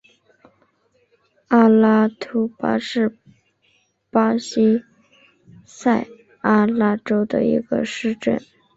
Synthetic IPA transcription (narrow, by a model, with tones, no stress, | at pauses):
a˥la˥t̪ʰu˥pa̰˥ʂɻ̩˥˩ | pa˥ɕi˥ | sa˥˩ɪ | a˥la˥ʈ͡ʂo˥ʊd̪ə̰˨˩ḭ˧˥ɡə̰˧ʂɻ̩˥˧ʈ͡ʂə̰˥˩n